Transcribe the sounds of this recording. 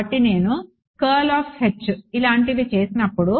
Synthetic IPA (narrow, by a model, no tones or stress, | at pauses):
ɐʈːine̞ːnu | kɐːlaːpʰhet͡ʃːuilaːɳʈiʋit͡ʃeːsinɐpːuɽu